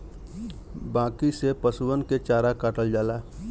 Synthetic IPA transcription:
bãːkisepəsuwənket͡ʃaːɾakaːʈəld͡ʒaːlaː

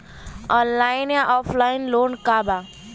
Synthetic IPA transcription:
ɔ̃nlajnjaʔɔpʰlainloːnkaba

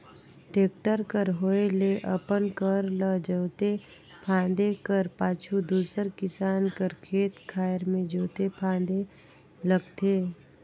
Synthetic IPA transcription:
ʈeːk̚ʈəɾkəɾɦoːeleʔəpənkəɾləd͡ʒəːt̪e | pʰãːnd̪ekəɾpaːt͡ʃʰud̪uːsəɾkɪsaːnkəɾkʰeːt̪kʰaːjɾmẽd͡ʒoːt̪epʰãːn̆d̪e | ləɡt̪eː

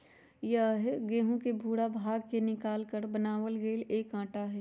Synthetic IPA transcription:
jəɦɛɡẽːɦũkebʱuːɽabʱaːɡkenɪkaːlkəɾbənaːʋəlɡeːleːkãːʈaɦɛː

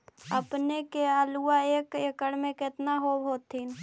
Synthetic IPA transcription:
əpnekealuaeːkəkəɽmẽkɪt̪naɦobɦoːt̪ːin

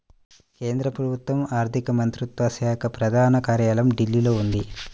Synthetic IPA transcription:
ke̞ːnd̪ɾɐpɾɐbut̪ʋɐmaːɾt̪ʰikɐmɐnt̪ɾut̪ʋɐsɛːɐkʰɐpɾɐd̪ʱaːnɐkaːɾjaːlɐmɖilːilo̞ːund̪i

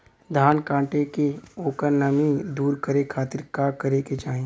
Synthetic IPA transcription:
d̪ʱaːnkãːʈekeoːkəɾnɐmĩd̪uːɾkɐɾekʰaːt̪ɪɾkakɐɾeket͡ʃaːɦẽ

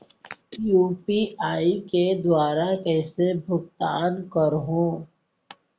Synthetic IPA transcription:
juːpiaːiked̪waːɾakɛːsebʱʊɡt̪aːnkəɾɦõː

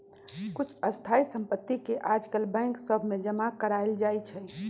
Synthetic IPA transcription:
kut͡ʃʰəst̪ʰaisəmpət̪ːikeʔad͡ʒkəlbɛ̃ŋksəbʱmed͡ʒəmakəɾaeld͡ʒajt͡ʃʰɛ

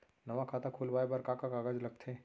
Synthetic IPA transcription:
nɐʋakʰaːt̪akʰulʋaːebaɾkakakaːɡad͡ʒlɐɡ̚t̪ʰe

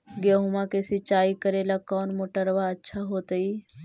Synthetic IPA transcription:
ɡeɦʊmakesit͡ʃaːikəɾelakɔːnmoːʈəɾʋaɐtːʃʰaɦoːt̪əiː

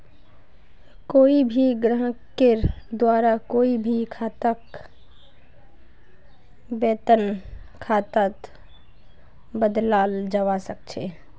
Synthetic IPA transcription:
koːibʱiɡɾəɦkeɾd̪waːɾakoːibʱikʰaːt̪ək | beːt̪ən | kʰaːt̪at̪ | bəd̪laːld͡ʒəwasək̚t͡ʃʰeː

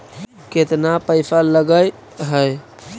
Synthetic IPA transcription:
ket̪napəɪsaləɡəj | ɦəj

